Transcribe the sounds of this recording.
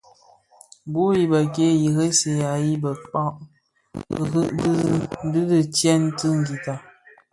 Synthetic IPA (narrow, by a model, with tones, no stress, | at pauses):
bu˦ji˦bə˨k̬e˦ji˨ɣə˦se˨ja˨ji˦bə˨k͡pa˦ʔ | ɣɨ˦ʔddɨ˦dɨ˦t͡ʃjɛ˦n˦tɨ˦ŋ˨ɡi˨ta˨